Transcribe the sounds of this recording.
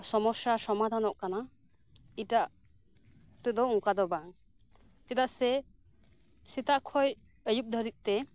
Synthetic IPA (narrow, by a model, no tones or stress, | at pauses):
sɔmɔsasɔmad̪ʱanɔʔkana | iʈaʔ | t̪ud̪ɔuŋkad̪ɔbaŋ | t͡ʃɛt̪aʔsɛ | sit̪aʔkʰɔj | əjup̚d̪ʱɔɾit̪̚ˀt̪ɛ